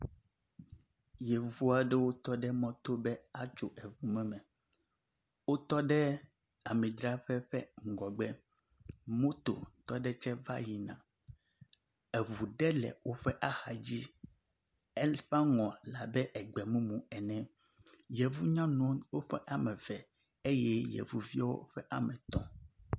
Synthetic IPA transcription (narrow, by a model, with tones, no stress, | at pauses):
jɛ˨vu˦a˨ɖɛ˦wo˦t̪ɔ˦ɖɛ˦mɔ̃˦t̪o˦bɛ˦a˦t͡ʃo˨ʔɛ˨vu˨mɛ̃˦mɛ̃˨ | wo˦t̪ɔ˦ɖɛ˦ | a˨mɛ̃˨d̪ɾa˦ɸɛ˦ɸɛ˦ŋ̩˨ɡɔ˨ɡ͡bɛ˦ | mõ˦t̪o̰˨t̪ɔ˦ɖɛ˦t͡ʃɛ˦va̰˦ji˨nã̰˨ | ɛ˨βu˨ɖɛ˦lɛ̰˨wo˦ɸɛ˦ʔa˦xa˨d͡ʑi˦ | ɛ˦ɸa˦ŋɔ̃˨la˨bɛ˦ʔɛ˨ɡ͡bɛ˨mũ˦mũ˨ɛ˨nɛ̃˨ | jɛ˨vu˦ɲã˦nũ˦wo˦ɸɛ˦ʔa˨mɛ̃˨vɛ˨ | e˦jɛ˦jɛ̰˨vu˨vi˦a˦wo̰˦ɸɛ˦ʔa˨mɛ̃˨t̪ɔ̃˦